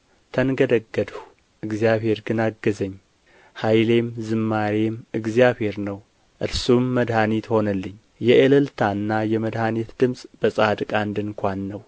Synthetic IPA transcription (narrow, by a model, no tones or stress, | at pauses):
t̪ʰənɡəd̪əɡːəd̪w | ʔɨɡzjaβhe̞ɾɡɨnaɡːəzəɲː | hajle̞mzɨmːaɾemɨɡzijaβhe̞ɾnəw | ʔɨɾsumːəd̪hanit̪ho̞nəlːɨɲː | jɛʔəlɨlt̪ʰanːajɛməd̪hanit̪d̪ɨmsʼb̥əsʼad̪kʼand̪ɨŋkʷanːəw